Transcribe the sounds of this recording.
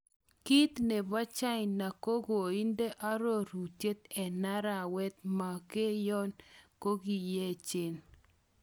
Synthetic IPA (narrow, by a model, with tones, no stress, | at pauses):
ki˦t̪ne˨ba˦t͡ʃa˦ɪnːa˨ko˦ɡo˨i˦nde˦ʔa˦ɾo˦ɾu˨tje˦t̪̚ɛ˨na˦ɾa˨wɛ˦t̪̚ma˨ke˦jɔ˦nko˦ɡi˨je˦˨t͡ʃɪ˦n